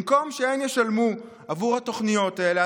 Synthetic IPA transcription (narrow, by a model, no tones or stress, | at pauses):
mko̞mʃeenjeʃalmu | avuʁhat̪o̞χnijo̞t̪aelea